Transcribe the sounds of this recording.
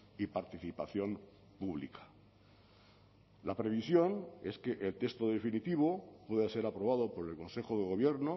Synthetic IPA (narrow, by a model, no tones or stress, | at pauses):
ipaɾt̪iθipaθjo̞n | puβ̞lḭkḁ | lapɾe̞β̞isjo̞ne̞ske̞ʔelt̪e̞st̪o̞ðe̞finit̪iβ̞o̞pwe̞ðase̞ɾapɾo̞β̞aðo̞po̞ɾe̞lko̞nse̞xo̞ðe̞ɣ̞o̞β̞je̞ɾno